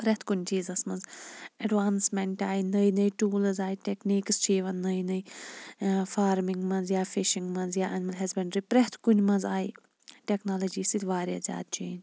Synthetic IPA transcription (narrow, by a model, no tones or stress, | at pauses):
pɾeht̪ʰkʊnʲt͡ʃiːzɐsmɐ̃nzɐɖʋaːnsmeɳʈaːinɐjnɐjʈuːləzaːiʈekniːkst͡ʃiːʋɐnnɐinɐj | faːɾmiŋɡmɐ̃nzjaːfiʃiŋɡmɐ̃nzjaːʔɐnmɐlɦɐzbẽɳɖɾipɾeɦt̪ʰkunmɐ̃nzaːi | ʈeknaːlɐd͡ʒiːsit̪ʲʋaːɾja̰ːzʲa̰ːd̪̚t͡ʃiːn